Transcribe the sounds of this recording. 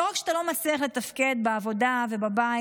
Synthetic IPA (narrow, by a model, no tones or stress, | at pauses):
ʁakʃeat̪alo̞mat͡sliaχlet̪afke̞d̪beavo̞dave̞baba